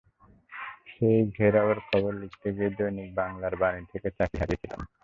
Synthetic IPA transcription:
ʃejɡʱeɾaweɾkʰɔboɾlikt̪ʰeɡied̪ojnik̚baŋlaɾbanit̪ʰeket͡ɕakʰːaɾit̪ʰilḛn

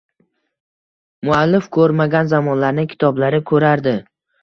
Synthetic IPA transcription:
mʊalːɪfkʰɵɾmaɡʲanzamɒnlaɾnɪkʲʰɪ̥t̪ʰɒblaɾɪkʰɵɾaɾd̪ɪ

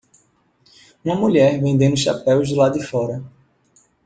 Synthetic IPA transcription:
ũmɐmuʎɛɾvẽd̪ẽnʊʃapɛwzd̪ɪlad̪ɪfɔɾɐ

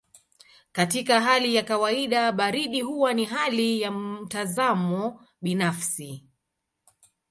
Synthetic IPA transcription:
katikaɦalijakawaiɗaɓaɾiɗiɦuwaniɦalijam̩tazamɔ | ɓinafsi

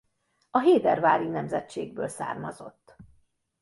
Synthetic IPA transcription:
ɒɦeːd̪ɛrvaːɾinɛmzɛtt͡ʃeːɡ̚bøːlsa̰ːrmɒzo̞̰t̪ː

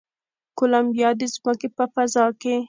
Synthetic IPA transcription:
kolambjɑd̪ezməkepəfazɑke

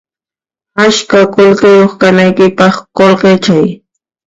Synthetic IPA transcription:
aʃkakolqɪjoχkanajkɪpɑχkolqet͡ʃaj

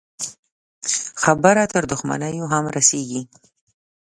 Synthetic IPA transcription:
xabəɾat̪əɾd̪ʊxma̰nəjoɦamɾaseɡi

